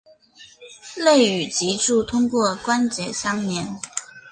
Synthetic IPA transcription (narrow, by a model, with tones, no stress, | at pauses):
le˥˩ɪy˨˩t͡ɕi˧˥ʈ͡ʂu˥˧t̪ʰʊ˥ŋkwɔ˥˩kwa˥nt͡ɕjɛ˨˩ɕjɑ˥ŋnjɛ˧˥n